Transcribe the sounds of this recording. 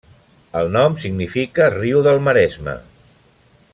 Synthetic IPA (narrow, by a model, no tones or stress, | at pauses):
əlˠnɔmsiɡnifikəriuðəlˠməɾɛzmə̰